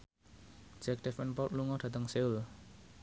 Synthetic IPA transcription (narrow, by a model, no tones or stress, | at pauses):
d͡ʒ̥ɛk̚d̥ɛfɛnpɔt̪̚luŋɔɖ̥ä̤t̪əŋseul